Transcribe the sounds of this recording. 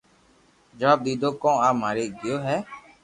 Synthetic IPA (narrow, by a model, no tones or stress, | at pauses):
d͡ʒəʋaːb̚d̪iːd̪oːkɔ̃ːaːmaːɾeːɡɪjoːɦɛː